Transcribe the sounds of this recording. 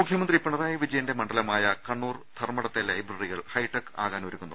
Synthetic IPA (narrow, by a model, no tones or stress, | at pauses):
mukʰjɐmɐnd̪ripːɐɳɐraːjiʋid͡ʑɐjɐnde̞mɐɳɖɐlɐmaːjɐkɐɳːuːrd̪ʰʱɐrmɐɽɐt̪ːelɐibrɐriɣɐɭhɐjʈːɐkːaːɣaːnʋoɾukːunːɐ